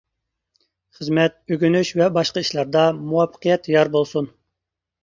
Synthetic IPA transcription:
χəzmɛt̪̚øɡʲynyʃvɛbɑʃqɑiʃlˠɑɾd̪ɑmuwɑfːə̥qʰijɛt̪jɑɾbolˠsun

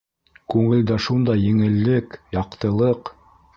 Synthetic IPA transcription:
kʉŋɘ̆ld̪æʃund̪ɑjːɘ̆ŋɘ̆lːɘkjɑqt̪ɤ̆lˠɤq

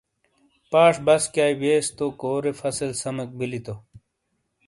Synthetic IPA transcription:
paːʂbɐskjaːibeːst̪okoːɾefɐsɐlsɐmek̚bilit̪o

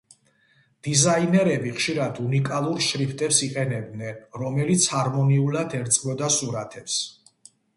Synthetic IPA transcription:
d̪̥izainɛɾɛbiχʃiɾad̪unikʼalˠuɾʃɾipʰt̪ʼɛpsiqʼɛnɛb̚d̪nɛnɾɔmɛlit̪sʰhaɾmɔniulad̪ɛɾt̪sʼmɔd̪asuɾat̪ʰɛps

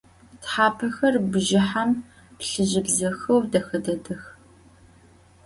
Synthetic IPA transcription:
tħaːpʰɐxɐrbɨʒɪħam | pɬɨʑɪbzɐxɐwdɐxɐdɐdɐx

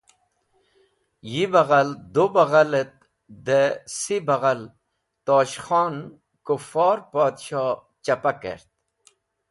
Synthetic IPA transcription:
jibaɣald̪obaɣalet̪̚ | d̪esibaɣal | t̪oːɕχɑːn | kufɑːɾpaːd̪ɕɑː | t͡ɕapakḛɾt̪̚

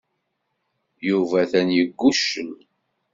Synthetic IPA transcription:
juvæθænjəɡːuʃːəm

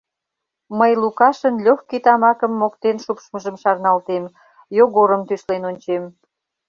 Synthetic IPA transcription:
məjlukɑʃənlʲoxkit̪ɑmɑkəmːokt̪enʃupʃməʒəmʃɑrnɑlt̪em | joɣoɾəmt̪yʃlenonʲt͡ɕem

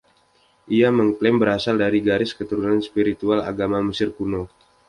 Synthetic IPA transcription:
ʔiaməŋklɛmbəɾasaldaɾiɡaɾɪskət̪uɾunanspiɾit̪uala̰ɡamaməsɪrkuno

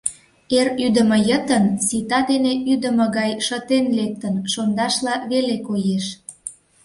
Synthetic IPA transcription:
eryd̪ə̆mə̆jət̪ənsit̪ɑd̪eneʔyd̪əmə̆ɣɑjʃət̪enlek̚t̪ənʃond̪ɑʃlɑβelekojeʃ

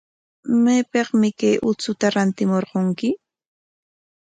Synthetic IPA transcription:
majpeqmɪkajʔʊt͡sʊt̪aɾant̪ɪmoɾqoŋkɪ

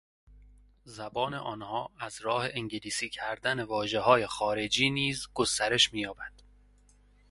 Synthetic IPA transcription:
zæbɒːne̞̰ʔɒːnhɒːæzɾɒːhe̞ʔeŋɟeliːsiːcʰæɾd̪ænevɒːʒe̞ɦɒːje̞xɒːɾe̞d͡ʒiːniːzɡo̞st̪æɾe̞ʃmiːjɒːbæd̪̥

